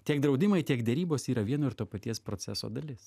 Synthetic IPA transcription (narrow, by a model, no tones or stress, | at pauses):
t̪ʲiɛkd̪ɾɒʊd̪ʲɪmɐɪt̪ʲiɛɡd̪ʲɛɾʲiːboːsiːɾɐʋʲiɛnoːɪɾt̪oːpɐt̪ʲiɛspɾoːt̪sʲæ̰so̰ːd̪ɐlʲɪs